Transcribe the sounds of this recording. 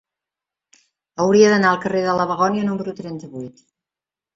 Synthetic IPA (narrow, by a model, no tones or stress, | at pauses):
əwɾiəðənaəlˠkəreðələβ̞əɣɔnjənuməɾut̪ɾɛnt̪əβujt̪